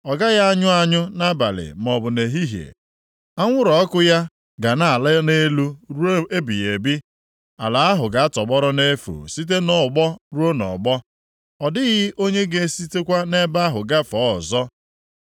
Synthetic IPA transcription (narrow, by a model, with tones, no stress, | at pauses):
ɔ˨ɡa˦ɣa˦a˦ɲʊ˦a˦ɲʊ˦na˦ba̰˨lɪ̰˨m˨ɔ˨bʊ˨ne˨ɦi˦ɦjḛ˨ | a˦ŋʷʊ˦ɾɔ˨ɔ˦kʊ˦ja˦ | ɡa˨na˨a˨la˦ne˦lu˦ɾe˦bi˨ɣe˨bi˦ | a̰˨la˨a˦ɦʊ˨ɡa˨˦a˦tɔ˨ɡ͡bɔ˦ɾɔ˦ne˦fṵ˨si˦t̬e˦nɔ˨ɡ͡bɔ˦ɾu˦o˦nɔ̰˨ɡ͡bɔ˦ | ɔ˨dɪ˦ɣɪ˦ʔo˦ɲe˦ɡe˦si˦te˦kʷa˦ne˦ba˦a˦ɦʊ˨ɡa˦fɔ˨˦˨zɔ˦